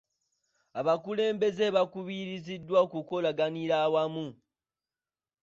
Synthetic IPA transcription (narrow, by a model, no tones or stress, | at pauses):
aβakule̞ːmbe̞ze̞βakuβiɾizidːwaokuko̞laɡaniɾawamu